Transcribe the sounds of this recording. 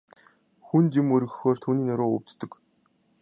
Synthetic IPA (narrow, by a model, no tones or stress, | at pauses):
xunt̪imɵɾɣɵ̆xoːr̥t̪ʰuːniːnæɾoːɵ̰w̥ʲt͡ɕt̪ːɵ̆k